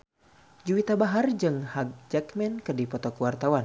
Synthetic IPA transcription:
d͡ʒuwit̪abaɦard͡ʒɨŋhaɡ̚d͡ʒakmɛnkɨrdipɔt̪ɔkuwart̪awan

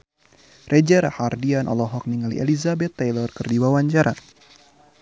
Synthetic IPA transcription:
rʔɛd͡ʒɛɾahardianʔɔ̰lɔɦɔk̚niŋalḭʔɛ̰lizabɛt̪ːajlɔrkɨrdiwawaɲt͡ʃaɾa

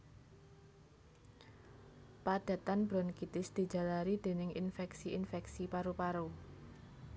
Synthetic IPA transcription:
pad̪̥a̤t̪anb̥ɾɔnkit̪ɪsd̪̥i̤d͡ʒ̥a̤laɾid̪̥e̤nɪŋinfɛksiinfɛksipaɾopaɾo

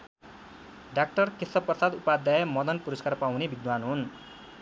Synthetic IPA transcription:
ɖak̚ʈʌrkesʌprʌsad̪upad̪jajʌmʌd̪ʌnpuɾʌskarpawnebʱid̪wanɦun

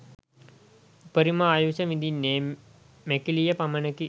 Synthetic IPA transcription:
upəɾimɐaːjusəmid̪inːeː | mekilijəpamənəki

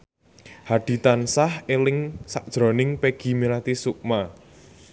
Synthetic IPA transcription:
had̪̥i̤t̪ansahelɪŋsaʔ̚d̥ʒ̥ɾɔ̤nɪŋpeɡ̥i̤miɾat̪isuʔk̚ma

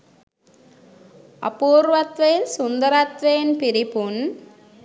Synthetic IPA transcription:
ɐ̰puːɾʋɐt̪ʋɐjɪnsʊnd̪ɐɾɐt̪ʋɐjɪnpɪɾɪpʊn

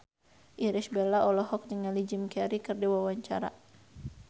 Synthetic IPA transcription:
ʔiɾisbɛlaʔɔlɔɦɔk̚d͡ʒəŋalid͡ʒimkɛɾikɨrdiwawaɲt͡ʃa̰ɾa̰

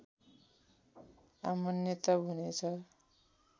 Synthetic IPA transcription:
amʌnjʌt̪ʌbʱunet͡sʰʌ

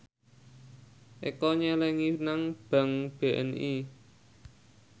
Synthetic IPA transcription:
ʔekɔɲɛlɛŋinaŋb̥a̤ŋb̥e̤ʔɛ̰ni

